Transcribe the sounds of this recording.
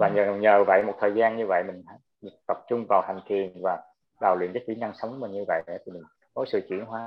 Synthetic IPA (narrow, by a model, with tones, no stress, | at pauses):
vaː˨˩ɲəː˨˩ɲəː˨˩və̰˧˨jmo˨˩t̚t̪ʰəː˨˩jzaː˧nɲɨ˧və̰˧˨jmï˨˩ŋ̟ha̰˧˥˦t̪ə˨˩p̚t͡ɕʊ˧ŋ͡mvaː˨˩wt̪a˨˩ŋ̟t̪ʰi˨˩ənvaː˨˩ | ɗaː˨˩wlwḭ˧˨ənkəː˨˦t͡ɕi˧˦na˧ŋsə˨˦wŋ͡mmə˨˩nɲɨ˧və̰˧˨jʔt̪ʰi˨˩mï˨˩ŋ̟ | ko˨˦jsɨ̰˧˨t͡ɕḭ˧˨ənɦwaː˨˦